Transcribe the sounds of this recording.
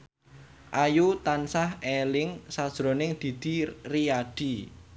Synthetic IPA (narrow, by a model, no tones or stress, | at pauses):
ʔajut̪ansahelɪŋsad̥ʒ̥ɾo̤nɪŋd̪̥i̤d̪̥i̤riaɖ̪̥i̤